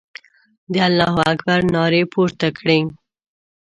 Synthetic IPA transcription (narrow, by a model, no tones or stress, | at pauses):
d̪ealːɑɦʊakbaɾnɑɾepuɾt̪akɽeŋ